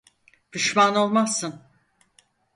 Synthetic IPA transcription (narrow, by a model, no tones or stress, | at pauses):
d̪̥yʃmano̞lˠmasːɯn